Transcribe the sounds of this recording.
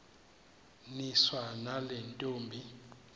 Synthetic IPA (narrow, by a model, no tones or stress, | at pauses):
niswanalɛntʼoːmbʱi